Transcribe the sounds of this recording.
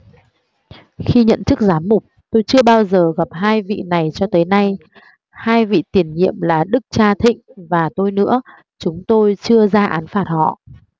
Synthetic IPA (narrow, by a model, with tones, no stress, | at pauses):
xi˧ɲə̰˧˨nt͡ɕɨ˦˥k̚zaː˨˦mːʊ˨˩k͡p̚t̪o˧jt͡ɕɨ˧əɓaː˧wzəː˨˩ɣa˨˩p̚ɦaː˧jvḭ˧˨na˨˩jt͡ɕɔ˧t̪əː˨˦jna˧j | haː˧jvḭ˧˨t̪i˨˩ənɲḭ˧˨əmlaː˨˩ɗɨ˦˥k̚t͡ɕaː˧t̪ʰḭ̈˧˨ŋ̟vaː˨˩t̪o˧jnɨ̰˧˥ə | t͡ɕʊ˨˦ŋ͡mt̪o˧jt͡ɕɨ˧əzaː˧ʔaː˨˦nfaː˨˩t̚hɔ̰˧˨